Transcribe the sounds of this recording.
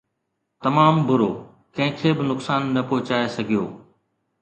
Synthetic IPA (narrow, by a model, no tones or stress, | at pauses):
t̪ɐmaːmbʊɾoː | kɐ̃ɦɪ̃kʰebɪnʊksaːnːɐpoːɪt͡ɕaːesɐɡʱijo̰ː